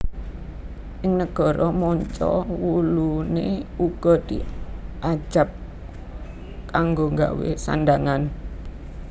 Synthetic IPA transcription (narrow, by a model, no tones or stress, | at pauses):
ʔɪŋnəɡ̥ɔ̤ɾɔmɔɲt͡ʃɔ̰wuluneuɡ̥ɔ̤d̪̥iʔḁʒ̥a̤p̚ | kaŋɡoŋɡa̰wḛsa̰nd̪aŋan